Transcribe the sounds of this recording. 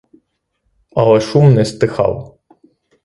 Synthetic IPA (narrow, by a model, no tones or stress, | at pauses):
ɐlˠɛʃumnɛst̪ɪxɑ̰l